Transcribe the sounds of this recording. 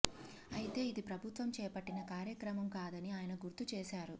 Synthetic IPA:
ɐjit̪e̞ːid̪ipɾɐbʱut̪ʋɐmt͡ʃɛːpɐʈːinɐkaːɾjɐkɾɐmɐmkaːd̪ɐniaːjɐnɐɡuɾt̪ut͡ʃɛːʃaːɾu

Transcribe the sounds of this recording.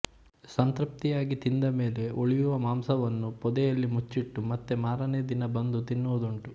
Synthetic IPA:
sɐnt̪ɾɐp̚t̪ijaːɡit̪ind̪ɐme̞ːle̞oɭijuʋɐmaːmsɐʋɐnːupɔd̪ɛjɐlːimut͡ʃːiʈːumɐt̪ːemaːɾɐned̪inɐbɐnd̪ut̪inːuːd̪oɳʈu

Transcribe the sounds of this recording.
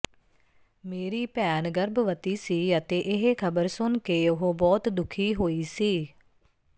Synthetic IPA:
meːɾiːpɛːnɡəɾbʋət̪iːsiːət̪eːʔɪɦekʰəbəɾsʊnkeːʊɦobɔːt̪d̪ʊkʰiːɦoːiːsiː

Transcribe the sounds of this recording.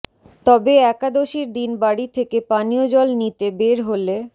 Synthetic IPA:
t̪ɔbeɛkad̪oʃiɾd̪inbaɽit̪ʰekepaniod͡ʑɔlnit̪ebeɾɦole

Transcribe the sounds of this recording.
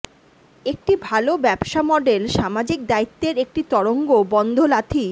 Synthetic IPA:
ek̚ʈibʱalobɛbʃamɔɖelʃamad͡ʑik̚d̪ait̪ːeɾek̚ʈit̪ɔɽoŋɡobɔnd̪ʱolat̪ʰi

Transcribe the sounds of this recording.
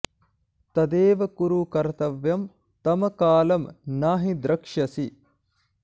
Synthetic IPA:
t̪ɐd̪eːʋɐkuɾukɐɾt̪ɐʋjɐm | t̪ɐmɐkaːlɐmnaːɦid̪ɾɐkʂɐsi

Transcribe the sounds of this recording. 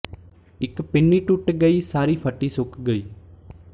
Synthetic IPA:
ɪkpɪɳːiːʈʊʈɡəiːsaːɾiːpʰəʈːiːsʊkɡəiː

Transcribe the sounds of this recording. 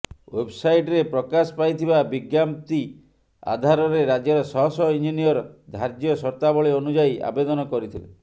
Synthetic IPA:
websajʈɾepɾɔkasɔ̥pajt̪ʰibabiɡjamt̪i | a̰d̪ʱaɾɔɾeɾad͡ʒjɔɾɔsɔɦɔsɔind͡ʒinijɔɾɔd̪ʱaɾd͡ʒjɔsɔɾt̪abɔɭiɔnud͡ʒaiʔa̰bed̪ɔnɔkɔɾit̪ʰile

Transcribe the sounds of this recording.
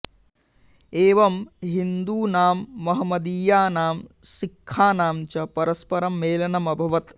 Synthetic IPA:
eːʋɐmɦind̪uːnaːmːɐɦɐmɐd̪iːjaːnaːmsikʰːaːnaːmt͡ʃɐpɐɾɐspɐɾɐmːeːlɐnɐmɐbʱɐʋɐt̪

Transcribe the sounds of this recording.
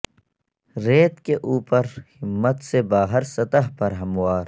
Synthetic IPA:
ɾeːt̪keʔuːpəɾhɪmːət̪sebaːɦɪɾsɐt̪əɦpɐɾɦɐmwaːɾ

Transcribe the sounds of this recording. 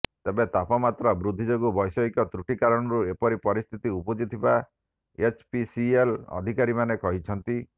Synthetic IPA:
t̪ebet̪apɔmat̪ɾɔbɾud̪ʱːid͡ʒoɡubɔjsɔikɔt̪ɾuʈikaɾɔɽ̃ɔɾuepɔɾipɔɾist̪ʰit̪iupɔd͡ʒit̪ʰiba | et͡ʃpisielɔ̰d̪ʱikaɾimanekɔɦit͡ʃʰɔnt̪i

